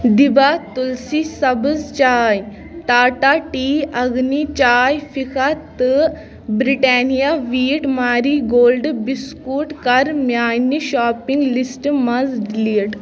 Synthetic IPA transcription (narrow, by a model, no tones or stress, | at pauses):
d̪ibat̪ulsisɐbəzt͡ʃaːj | ʈ̪aːʈaʈiːɐɡnit͡ʃaːjfikʰat̪ɨ | bɾiʈaːnijaʋiːʈmaːɾiːɡoːlɖbiskuːʈkɐɾmjaːjniɕaːpiŋɡlisʈmɐzɖliːʈ